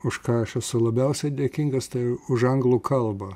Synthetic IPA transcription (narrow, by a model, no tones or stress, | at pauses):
ʊʃkɑːɐʃɛsʊlˠɐbʲɛʊsʲɛɪd̪ʲeːkʲiŋɡɐst̪ɐɪʊʒɐŋɡlˠuːkʰɐlˠbɐ